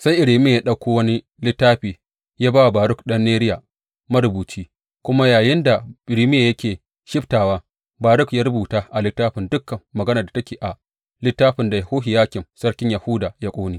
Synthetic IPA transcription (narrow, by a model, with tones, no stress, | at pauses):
sa˦jʔɪ˨ɽiː˨mɪ˦ja˨ja˦ɗa˦kʷoː˦wɐ˦ni˦ | lɪ˦tːaː˦ɸiː˨ | jaː˦baː˦wa˨baː˨ɾʊ˦kɗɐ˦nːeː˦ɾɪ˦jaː˨ | ma˦ɾʊ˦buː˨t͡ʃiː˦ | kʷʊ˦ma˦jaː˨jɪ˦nda˨ɪ˨ɾiː˦mɪ˦ja˨jɐ˦kʲeː˨ | ʃɪ˦ɸtaː˨waː˦ | baː˨ɾʊ˦kjaː˦ɾʊ˦buː˨taː˦ʔa˨lɪ˦tːaː˦ɸɪ˨ndʊ˦kːɐ˨mːɐ˨ɡɐ˦na˨da˨tɐ˦kʲeː˨ʔa˨ | lɪ˦tːaː˦ɸɪ˨nda˨ja˨hoː˦ɦɪ˨jaː˦kʲɪ˨msɐ˦ɽkʲɪ˦ɲja˨hʊ˦daː˨ja˦kʷʼoː˦niː˦